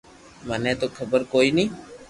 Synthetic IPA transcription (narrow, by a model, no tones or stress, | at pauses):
mənɛ̃ːt̪oːkʰəbəɾkoːiːnĩː